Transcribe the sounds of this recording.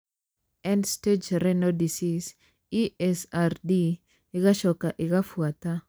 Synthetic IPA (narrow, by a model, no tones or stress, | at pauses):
ɛnsted͡ʒɾɛnodisis | iɛsardi | ɪɡaʃɔkaʔɪɡafwat̪a